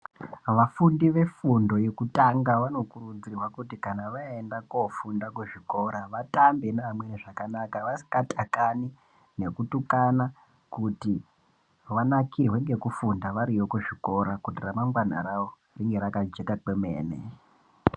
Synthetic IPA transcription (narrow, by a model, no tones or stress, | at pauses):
ʋafundiʋe̞fundo̞jekutaŋɡaʋano̞kurund͡zirwakutikanaʋaendakofundakuʐiko̞ɾaʋatambenamweneʐakanakaʋasi̥katakani | ne̞kutukana | kuti | ʋanakiɦweŋɡe̞kufundaʋaɾijokuʐiko̞ɾakutiramaŋɡwana̰ɾawo | riŋɡe̞ɾakad͡ʒekakemḛːnḛ